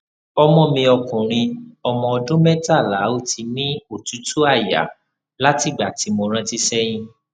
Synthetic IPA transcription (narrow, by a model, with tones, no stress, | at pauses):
ɔ˧mɔ̃˧mĩ˧ɔ˧kũ˨ɾ̃ĩ˧ɔ˧mɔ̃˧ɔ˧dõ˦mɛ˦ta˦˨la˨˦o˦ti˧nĩ˦o˦˨tu˨˦tu˦a˦˨ja̰˨˦ | la˦ti˦˨ɡ͡ba˨ti˨˧˦mo˧ɾ̃ã˦ti˦sɛ˦j̃ĩ˧